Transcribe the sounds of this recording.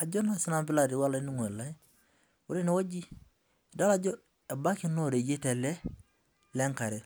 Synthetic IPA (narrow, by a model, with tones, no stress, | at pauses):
a˨ɟo˦na˨si˦na˦˨mpi˦la˨ɾi˨wa˦la˨˦ni˦ŋo˨e˨la˦ | wu˦ɾe˦ne˦wa˦ɟi˦ | da˦la˨ɟo˦ | e˨ba˦ki˦no˦ɾe˨d͡ʒe˦te˨le˦ | le˦ŋka˨ɾe˨